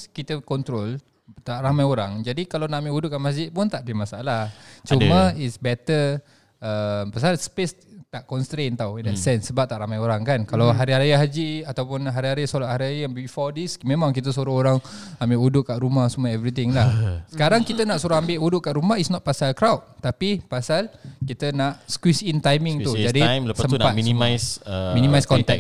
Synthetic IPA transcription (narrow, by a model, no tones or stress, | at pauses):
kit̪əkɔnt̪ɾol | t̪aʔɾamajoɾaŋd͡ʒadikalawnaʔmeudʊʔamasd͡ʒɪt̪̚pʊnt̪aʔdimasaʔalat͡ʃuməisbɛt̪ə | əmpasalaspes | t̪aʔkɔnst̪ɾent̪awindɛsɛnsːəbap̚t̪aʔɾamajoɾaŋkankalawɦaɾiaɾijaɦad͡ʒiat̪awpʊnɦaɾiɦaɾisolaʔ̚haɾiajabiifɔdismẽmãŋkit̪̬əs̬uɾahoɾaŋ | ambɪʔudʊʔkaʔɾumahsumuaɛvɾit̪ɪŋlahsəkaɾaŋkit̪ənaʔsuɾaambɪʔudʊʔkaʔɾumaɦitsnɔt̪̚pasalkɾawt̪̚t̪apipasalkit̪ənaʔskwisint̪ajmɪ̃ŋt̪ud͡ʒadijmləssəmnpatminĩmajsəmĩnimajskɔnt̪ɛk̚